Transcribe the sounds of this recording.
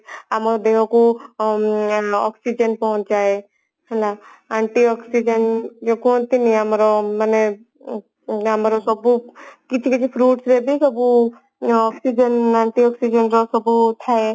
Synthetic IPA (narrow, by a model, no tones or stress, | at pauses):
amɾɔd̪eɦõku | ɔksid͡ʒənpɔɦɔ̃t͡ʃd͡ʒae | ɦɛla | ãɳʈiɔksid͡ʒənd͡ʒokont̪iniamɾɔmane | ɦəmɾɔsɔbukit͡ʃʰikit͡ʃʰipʰɾuʈsɾebikəbu | ɔksid͡ʒənaɳʈiɔksid͡ʒənɾɔsɔbut̪ʰae